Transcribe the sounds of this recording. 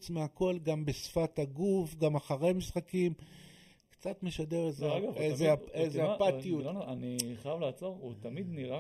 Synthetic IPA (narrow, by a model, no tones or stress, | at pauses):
t͡smeako̞lɡambesfat̪aɡufɡamaχaʁe̞misχakim | kt͡sat̪meʃadeezeɡavezeaezeapatijuananiχajavlaːt͡so̞ʁut̪amid̪niʁa